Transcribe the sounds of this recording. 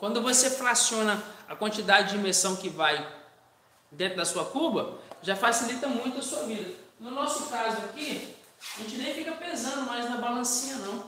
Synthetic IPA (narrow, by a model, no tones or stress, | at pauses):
kwɐ̃nd̪ʊvoseflasiõnɐakwɐ̃nt͡ʃid̪ad͡ʒɪd͡ʒɪĩmeɾsɐ̃w̃kɪvaj | d̪ẽt̪ɾʊd̪ɐsuɐkubɐʒafasilit̪ɐmũj̃t̪ʊɐsuɐvid̪ɐnʊnɔsʊkazʊaki | aʒẽnt͡ʃɪnẽj̃fikɐpẽsɐ̃nd̪ʊmajznɐbalɐ̃sĩɲɐnɐ̃w̃